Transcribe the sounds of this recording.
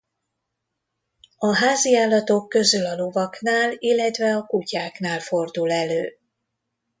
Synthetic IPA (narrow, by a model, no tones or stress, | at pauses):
ɒɦaːziaːlːɒt̪o̞kːø̞zylɒlo̞vɒknaːlilːɛt̪vɛɒkucaːknaːlfo̞rd̪ulɛløː